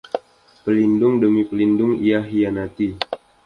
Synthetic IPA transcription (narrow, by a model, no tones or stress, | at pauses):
pəlindʊŋdəmipəlindʊŋijaɦianat̪i